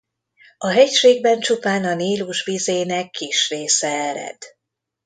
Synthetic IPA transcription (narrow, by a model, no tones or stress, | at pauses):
ɒɦɛcʃeːɡ̚bɛnt͡ʃupaːnɒniːluʒvizeːnɛkʰːiʃreːsɛɛɾɛ̰d̪̥